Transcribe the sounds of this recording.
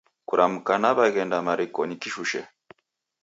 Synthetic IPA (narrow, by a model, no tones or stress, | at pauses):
kuɾʔamukanaβaɣɛndamaɾikɔɲikiʃuʃɛ̰